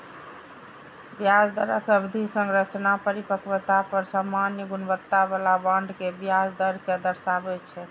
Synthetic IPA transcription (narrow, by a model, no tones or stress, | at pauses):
bjad͡ʒd̪əɾəkəbd̪ʱisə̃ŋɡɾət͡ʃnapəɾipəkʋt̪apəɾsamːanjəɡunbət̪ːabalabaɳɖkebjad͡ʒd̪əɾked̪əɾsabɛt͡ʃʰɛ